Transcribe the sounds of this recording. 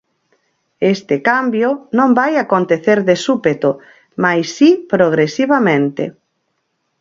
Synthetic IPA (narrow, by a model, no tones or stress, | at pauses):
est̪ɪkambjʊnõmbajakont̪eθeɾðesupet̪o | majsːipɾoɣ̞ɾesiβamẽnt̪ḛ